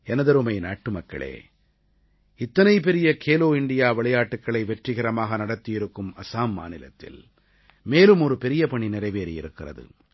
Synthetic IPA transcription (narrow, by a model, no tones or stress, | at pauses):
ɛnɐðɐɾɯmɐɪnaːʈːɯmɐkːɐ̰ɭḛː | ɪt̪ːɐnɐɪp̬ɛɾɪjɐkʰeːloːɪɳɖɪjaːʋɐɭɐjaːʈːɯkːɐɭɐɪʋɛʈrɪɣɪɾɐmaːɣɐnɐɽɐt̪ːɪjɪɾɯkːɯmɐsaːmːa̰ːnɪlɐ̰t̪ːɪ̰l | meːlɯmɔɾɯpɛɾɪjɐpɐɳinɪrɐɪʋeːɾijɪ̰ɾɯkːɪrɐ̰ðɯ̰